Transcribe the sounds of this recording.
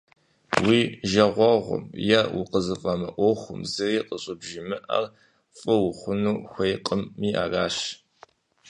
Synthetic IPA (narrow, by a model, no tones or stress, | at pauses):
wiːʒɐʁʷɔʁʷʊ̰mjɐwʊ̰qəzɨfʼɐmɨ̰ʔʷoχʷʊ̰mzɨriːqʼəɕʼɪbʒɪmɨʔɐ̰r | fʼɨwʊχʷʊnuːxʷejqʼəmːiːʔa̰ːraːɕ